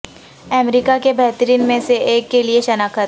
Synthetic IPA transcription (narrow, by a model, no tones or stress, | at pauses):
ɛmɾiːkakebɛɦt̪əɾiːnmẽseʔeːkːelieʃɐnaːkʰət̪